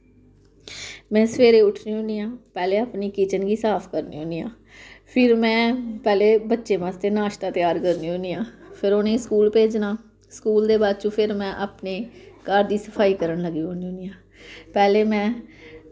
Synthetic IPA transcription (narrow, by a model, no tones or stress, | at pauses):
mɛ̃ːsəʋeːɾeːʊʈʰniːɦʊ̃niːãːpɛːleːaːpniːkiːt͡ʃənɡiːsaːpʰkəɾnḭːɦʊ̃niːã̰ː | pʰɪɾmɛ̃ːpɛːleːbətːʃeːmãːst̪eːnaːʃt̪aːt̪ɪjaːɾkəɾnĩːɦʊ̃niːãːpʰɪɾoːnẽːskuːlpeːd͡ʒnaː | skuːld̪eːbaːd̪̚t͡ʃũːpʰɪɾmɛ̃ːʔaːpneːkaːɾd̪iːsəpʰaːiːkəɾəɳləɡiːɦõːniːɦʊ̃nijãː | pɛːleːmɛ̃ː